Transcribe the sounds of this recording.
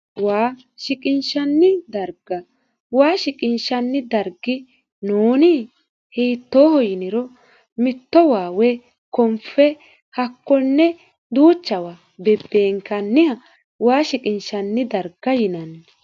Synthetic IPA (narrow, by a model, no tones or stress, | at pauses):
waː | ʃɪkʼɪnʃɐnːɪd̪ɐɾɡɐ | waːʃɪkʼɪnʃɐnːɪd̪ɐɾɡɪ | noːnɪ | hiːt̪ːoːhɔjɪnɪɾɔ | mɪt̪ːɔwaːwɛ | kɔmfɛ | hɐkːɔnːɛ | d̪uːt͡ʃːɐwa | bɛbːeːŋkɐnːɪhɐ | waːʃɪkʼɪnʃɐnːɪd̪ɐɾɡɐjɪnɐn